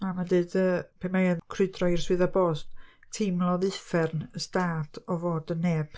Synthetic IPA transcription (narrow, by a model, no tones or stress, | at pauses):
mamadɨːdəpʰemejaðkʰrɨdrɔirswɨðabɔːsttʰɪmlˠɔðɨfɛrnəstaːtʰɔvoːdəneːb̥